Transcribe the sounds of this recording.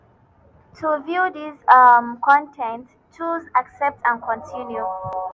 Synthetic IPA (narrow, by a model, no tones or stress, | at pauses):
tʰuvjuðizmkʰɔ̃ntʰɛ̃nt | t͡ʃuzaksɛp̚tãnkʰɔ̃ntʰĩnju